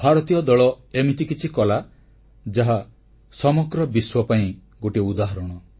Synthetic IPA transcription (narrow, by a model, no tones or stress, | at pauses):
bʱaɾɔt̪ijɔd̪ɔɭɔ | emit̪ikit͡ʃʰikɔla | d͡ʒaɦa | sɔmɔɡɾɔbiswɔpaĩ | ɡoʈiud̪aɦɔɾɔɽ̃ɔ